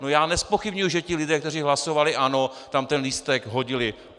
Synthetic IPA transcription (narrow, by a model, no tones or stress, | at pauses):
nojaːnɛspo̞xɪbɲujuʒɛcɪlɪdɛːkt̪ɛriːɦlaso̞valɪʔano̞t̪amt̪ɛnliːst̪ɛɡɦoɟɪlɪ